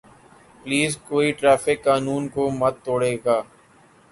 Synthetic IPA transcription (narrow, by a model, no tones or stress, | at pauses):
pliːzkoːiʈɾɛːfɪkːaːnuːnkoməd̪̚t̪oːɽeːɡaː